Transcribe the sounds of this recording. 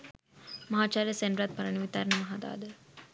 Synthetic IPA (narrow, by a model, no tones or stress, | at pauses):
mɐɦaːt͡ʃaːɾjɐseɳɖɾaːt̪̚pɐɾɐɳɐʋit̪aːɾnɐmɐɦaːd̪a̰ːd̪